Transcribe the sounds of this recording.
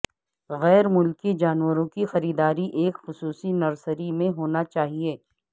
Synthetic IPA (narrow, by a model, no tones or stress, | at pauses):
ɣɛːɾmʊlkid͡ʒaːnwəɾõkixɐɾiːd̪aːɾiʔeːkxʊsuːsinɐɾsəɾimẽɦoːnat͡ʃaːɦieː